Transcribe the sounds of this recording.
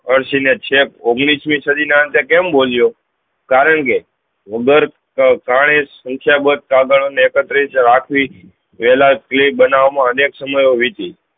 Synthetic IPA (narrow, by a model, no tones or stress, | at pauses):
əɾsinet͡ʃʰekoɡɽ̃ismĩsəd̪ineə̃nt̪ekemboljo | kaɾəɳke | ʋəɡəɾ | kaɽ̃esə̃ŋkʰjabət̪̚kaɡəɽ̃oneːkət̪ɾisɾakʰʋi | ʋɛlaklepbənaʋmãəneksəməjoʋit̪i